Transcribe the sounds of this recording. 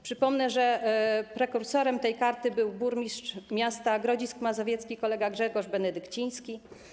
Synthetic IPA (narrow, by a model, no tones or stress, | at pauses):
pʂɘpɔmnɛʐɛpɾɛkuɾsɔɾɛmt̪ɛjkaɾt̪ɘbɘwbuɾmʲist͡ʂmʲast̪aɡɾɔd͡ʑiskmazɔvʲjɛt̪skʲikɔlɛɡaɡʐɛɡɔʐbɛnɛd̪ɘkt͡ɕij̃skʲi